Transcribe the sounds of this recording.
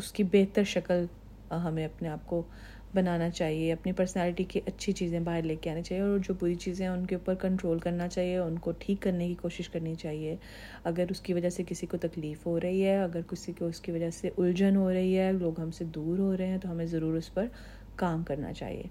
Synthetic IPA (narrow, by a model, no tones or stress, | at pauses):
ʊskibeːt̪əɾʃɐkəl | ɦɐmẽɐpneaːp̚ko | bɐnaːnat͡ʃaːɦieɐpnipɐɾsnɛːlɪʈikiʔɐtːʃʰit͡ʃiːzẽbaːɦɪɾleːkeaːnet͡ʃaːɦieɔːɾd͡ʒoːbuːɾit͡ʃiːzẽɦɛ̃ʊnkeuːpəɾkɐ̃ɳʈɾoːlkɐɾnat͡ʃaːɦieʊnkoʈʰiːkːɐɾnekikoːʃɪʃkɐɾnit͡ʃaːɦie | ɐɡəɾʊskiʋɐd͡ʒasekɪsikot̪ɐkliːfɦoɾɐɦiɦɛːɐɡəɾkɪsikoʊskiʋɐd͡ʒəseʔʊld͡ʒənɦoɾɐɦiɦɛːloːɡɦɐmsed̪uːɾɦoɾɐɦẽɦɛ̃t̪oɦɐmẽzɐɾuːɾʊspɐɾ | kaːmkɐɾna̰t͡ʃa̰ːɦḭḛː